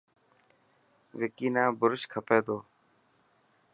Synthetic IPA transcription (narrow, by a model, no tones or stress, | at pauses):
ʋɪkiːnãːbʊɾɪʃkʰəpeːd̪oː